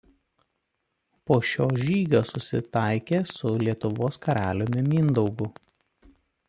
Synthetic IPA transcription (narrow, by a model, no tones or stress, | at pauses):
poːʃʲoːʒʲiːɡʲoːsʊsʲɪt̪ɑˑɪkʲeːsʊlʲiɛt̪ʊʋoːskɐɾʲæːlʲomʲɪmʲiːnd̪ɔʊɡʊ